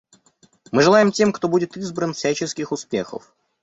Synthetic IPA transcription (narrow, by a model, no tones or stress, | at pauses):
mɨʐɨlˠajɪmtʲe̞mkt̪o̞budʲɪt̪izbɾənfsʲæt͡ɕɪskʲɪxʊspʲe̞xə̰f